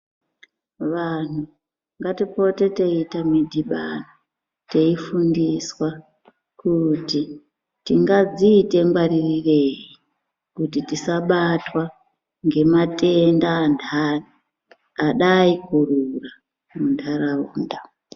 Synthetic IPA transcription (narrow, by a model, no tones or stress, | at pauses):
ʋan̤u | ŋɡatipo̞te̞te̞itamidʱiɓa̰no | te̞ifundiswa | kuti | tiŋɡad͡ziːte̞ŋɡwaririre̞ːji | kutitisaɓatwa | ŋɡe̞mate̞ndaːndʰʱari | aɗaikurura | mundʰʱaɾaṵːnda